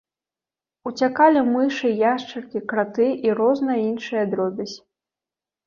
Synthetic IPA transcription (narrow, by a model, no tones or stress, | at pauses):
ut͡sʲakalʲimɨʂɨjaʂt͡ʂɐrkʲikɾat̪ɨʔiɾɔznɐjɐinʂɨjɐd̪ɾɔbʲɐsʲ